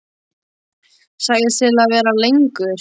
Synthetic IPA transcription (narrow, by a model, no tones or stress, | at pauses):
saːɣðɪt̪ɪlaðvɛːɾalejŋkʏɾ̥